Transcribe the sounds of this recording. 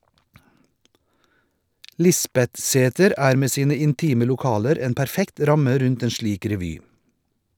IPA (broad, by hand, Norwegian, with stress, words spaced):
ˈlɪsbɛtˌseːtəɾ ˈæːɾ ˈmeː ˈsiːnə ɪnˈtiːmə lʊˈkɑːləɾ ˈeːn pæɾˈfɛkt ˈɾɑmə ˈɾʉnt ˈeːn ˈʃliːk ɾɛˈʋyː